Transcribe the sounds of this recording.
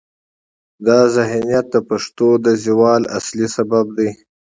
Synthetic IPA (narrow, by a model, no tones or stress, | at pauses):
d̪ɑzaɦnijat̪̚d̪əpaʂt̪od̪əziwɑːla̰slisabab̚d̪i